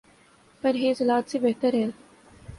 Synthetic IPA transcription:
pɐɾɦeːzɪlaːt̪sebeɦt̪əɾɦɛːl

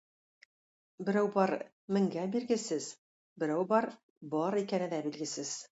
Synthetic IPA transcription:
bɘ̆ɾæwbɒɾ | mɘ̆ŋɡæbilɡɘ̆sɘz̥ | bɘ̆ɾæwbɒɾ | bɒɾikænɘd̪æbilɡɘ̆sɘz̥

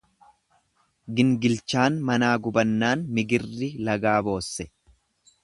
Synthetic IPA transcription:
ɡɪŋɡɪlt͡ʃaːnmɐnaːɡʊbɐnːaːnmɪɡɪrːɪlɐɡaːbo̞ːsːɛ̥

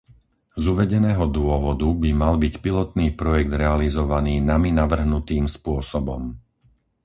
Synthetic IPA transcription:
zuʋɛɟɛnɛːɦɔd̪ʊɔʋɔd̪ubimalbicpilɔt̪niːpɾɔjɛɡ̚d̪ɾɛalizɔʋaniːnaminaʋr̩ɦnut̪iːmspʊɔsɔbɔm

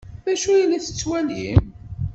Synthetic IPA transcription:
ðæʃujilæθə̥t͡sːwælḭm

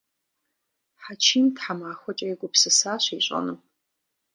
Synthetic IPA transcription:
ħat͡ʃʰiːntʰħamaːxʷɔt͡ʃʼɐjkʷʼʊpsɨsaːɕʷiːɕʷʼɐ̰nu

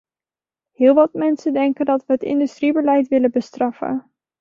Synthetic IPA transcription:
ɦɪːlˠʋɑtmɛnsəndɛŋkəndɑtʋəɦətɪ̰ndystribəlɛjtʋɪlənbəstrɑfə̰n

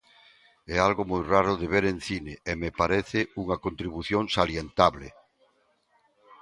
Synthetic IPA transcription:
ɛalɣomojraɾʊðeβeɾen̟θineemepaɾɛθɪuŋakont̪ɾiβuθjõŋsaljent̪aβlḛ

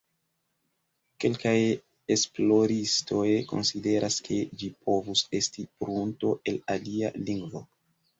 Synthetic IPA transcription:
ke̞lkaj | esplo̞ɾisto̞jko̞̰nside̞ɾʔaskʰe̞d͡ʒipʰo̞vuse̞stipɾunto̞ʔe̞lalia̰liŋɡvo̞

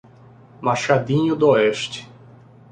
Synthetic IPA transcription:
maʃad̪ĩɲʊd̪ʊoɛʃt͡ʃɪ̥

